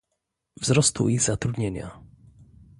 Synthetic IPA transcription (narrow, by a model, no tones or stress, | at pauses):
vzɾɔst̪ṵiɣzat̪ɾud̪ɲeɲa̰